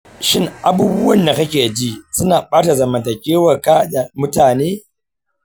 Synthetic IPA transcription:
ʃɪ˦ŋʔa˨buː˦bʊ˦wɐ˦˨nda˨kɐ˦kʲeː˨d͡ʒiː˦sʊ˦naː˨ɓaː˦ta˨zɐ˨mɐ˨ntɐ˨kʲʼeː˦wɐ˨kaː˦da˨mʊ˦taː˨neː˦

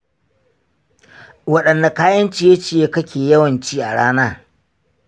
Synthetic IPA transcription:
wɐ˦ɗɐ˨nːa˨kaː˦jɐ˦nt͡ʃiː˨ja˦t͡ʃi˨jeː˦kɐ˦kʲeː˨jɐ˦wɐ˨nt͡ʃiː˦ʔa˨ɽaː˦naː˦

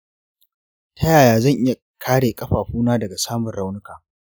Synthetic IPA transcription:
tʰɐ˦jaː˨jaː˨zɐ˦˨ŋʔɪ˦ja˨ | kʰaː˦ɽeː˨kʼɐ˦ɸaː˨ɸuː˦naː˦dɐ˨ɡa˨saː˦mʊ˨nɽa˦˨wnʊ˦kaː˨

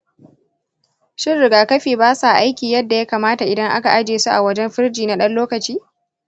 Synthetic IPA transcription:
ʃɪ˦nɾɪ˨ɡaː˨kɐ˦ɸiː˨baː˦sa˨ʔa˦jkʲiː˨jɐ˦dːa˨ja˦kaː˨maː˦ta˨ʔɪ˨dɐ˦ŋʔa˦ka˨ʔa˦d͡ʒeː˨su˦ʔa˨wɐ˦d͡ʒɛ˦mɸɪ˦ɾd͡ʒiː˨na˦ɗɐ˦nloː˦kɐ˨t͡ʃiː˦

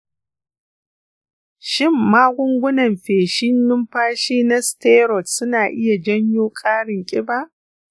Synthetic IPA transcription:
ʃɪ˦˨mːaː˦ɡʷʊ˦ŋɡʷʊ˦nɐ˨mɸeː˨ʃɪ˦nːʊ˦mɸaː˦ʃiː˦na˦steː˦ɾɔ˨tsʊ˦naː˨ʔɪ˦ja˨d͡ʒɐ˦ɲjoː˦kʼaː˦ɽɪ˨ŋkʲʼɪ˦baː˦ʔ

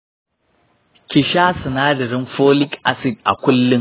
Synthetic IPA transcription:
kʲɪ˨ʃaː˦sɐ˨naː˦dɐ˨ɾɪ˦nɸoː˦lɪ˦kʔa˦sɪ˨d̚ʔa̰˨kʷʊ˦lːɪ˦ŋ

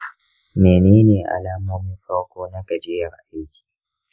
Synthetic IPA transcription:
meː˨neː˦neː˨ʔa̰˨laː˦moː˦mi˦ɸa˦kʷoː˦na˦ɡɐ˨d͡ʒɪ˦jɐ˨ɾʔa˦jkʲʰi̥˨

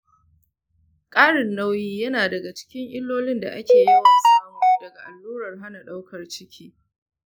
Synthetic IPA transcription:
kʼaː˦ɽɪ˨nːa˦wjiː˦jɐ˦naː˨dɐ˨ɡa˨t͡ʃɪ̥˦kʲɪ˦ŋʔɪ˦lːoː˦lɪ˦nda̰˨ʔa˦kʲeː˨ji˦wa˨sɐ˦mu˦dɐ˨ɡa˨ʔa˨lːuː˦ɾɐ˨rɦa˦na˨ɗa˦wkɐ˨rt͡ʃɪ˦kʲʰiː˦

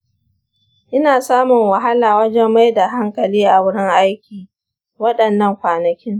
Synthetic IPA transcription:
ʔɪ˦naː˨saː˦mʊ˨ŋwɐ˨ɦa˦laː˨wɐ˦d͡ʒɛ˦mːa˦jda˨ɦa˦ŋkɐ˨liː˦ʔa˨wʊ˦ɽɪ˦ŋʔa˦jkʲiː˨ | wɐ˦ɗɐ˨nːɐ˦˨ŋkʷaː˨nɐ˨kʲɪ˦ŋ

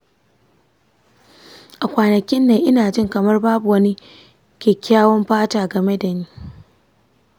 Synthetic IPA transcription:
ʔa˨kʷaː˨nɐ˨kʲɪ˦nːeː˨ʔɪ˦naː˨d͡ʒɪ˦˨ŋkɐ˨mɐ˦rbaː˦bu˨wɐ˦ni˦ | kʲeː˨kʲaː˦wɔ˦mɸaː˦taː˨ɡɐ˨me˦da˨niː˦

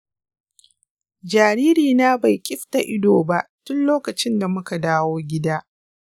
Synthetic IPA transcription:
d͡ʒaː˨ɾiː˦ɾiː˨naː˦ba˨jkʲʼɪ˦ɸta˨ʔɪ˦doː˨ba˦˨ʔtʊ˦nloː˦kɐ˨t͡ʃɪ˦nda˨mʊ˦ka˨daː˦woː˦ɡʲɪ˦daː˦

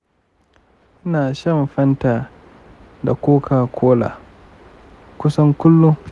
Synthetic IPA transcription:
ʔɪ˦naː˨ʃɐ˦mɸɐ˦ntaː˨ | da˨kʷoː˦kʰaː˨kʷʰoː˦la̰ː˨ | kʷʊ˦sɐ˦ŋkʷʊ˦lːʊ˦ŋ

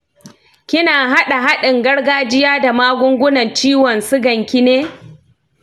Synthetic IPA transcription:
kʲɪ˦naː˨ɦa˦ɗa˨ɦa˦ɗɪ˨ŋɡɐ˦ɽɡaː˦d͡ʒɪ˦jaː˦da˨maː˦ɡʷʊ˦ŋɡʷʊ˦nɐ˨nt͡ʃiː˦wɔ˨nsɪ˦ɡɐ˨ŋkʲɪ˦neː˦

